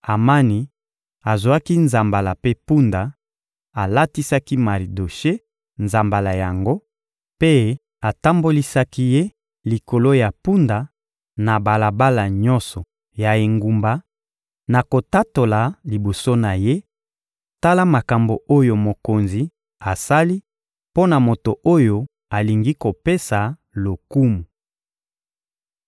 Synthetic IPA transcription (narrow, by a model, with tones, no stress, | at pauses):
a˨ma˦ni˨ | a˨zwa˦ki˦nza˨mba˨la˨pe˦pu˦nda˨ | a˨la˦ti˦sa˦ki˦ma˨li˨do˨ʃe˦ | nza˨mba˨la˨ja˨ŋɡo˦ | pe˦ | a˨ta˦mbo˦li˦sa˦ki˦je˦ | li˨ko˨lo˦ja˨pu˦nda˨ | na˨ba˨la˨ba˦la˨ɲɔ̃˦nsɔ˨ | ja˨e˨ŋɡu˨mba˨ | na˨ko˨ta˦to˨la˨li˨bo˨so˦na˨je˦ | ta˦la˦ma˨ka˨mbo˨o˦jo˨mo˨ko˨nzi˨ | a˨sa˦li˦ | po˦na˨mo˨to˨ʔo˦jo˦ | a˨li˨ŋɡi˦ko˨pe˦sa˨ | lo˨ku˦mu˨